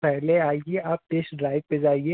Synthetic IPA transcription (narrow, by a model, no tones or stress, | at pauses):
pɛɦleaːiɡeaːp̚t̪eːʃɖɾaːɪʋped͡ʒaːeɡeː